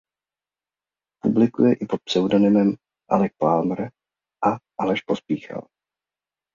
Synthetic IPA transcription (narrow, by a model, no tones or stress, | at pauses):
publɪkṵjɛʔɪpot̪̚psɛwdo̞nɪmɛm | ʔa̰lɛk̚palmɾ | ʔaʔalɛʃpo̞spiːxa̰l